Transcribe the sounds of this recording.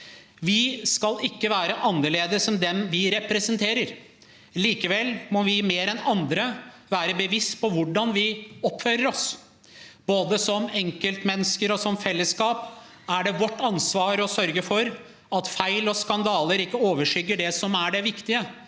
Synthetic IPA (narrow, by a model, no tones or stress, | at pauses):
ʋɪskɑlɪkːəʋæːɾəʔɑnːəɭeːd̪əsɔmd̪ɛmʋɪɾɛpɾɛsənt̪ʰeːɾəɾ | liːkəʋɛlːmɔʋɪmeːɾɛnɑnd̪ɾəʋæːɾəbəʋɪst̪pʰɔʋʊɖɑnʋɪɔpføːɾəɾɔs | boːd̪əsɔmɛŋkəlt̪mɛnːəskəɾɔsɔmfɛlːəskɑːp | æɖɛʋɔʈːɑnsʋɑːɾɔsœɾɡəfɔɾ | ɑt̪fæɪlɔskɑnd̪ɑːləɾɪkːəoːʋəʂʏɡːəɖɛsɔmæɖɛʋɪkt̪ɪə